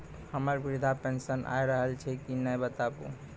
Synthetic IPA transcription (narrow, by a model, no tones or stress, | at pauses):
həməɾbiɾd̪ʱapensənʔa̰jɾəɦəlt͡ʃʰɛkinəjbət̪abṵ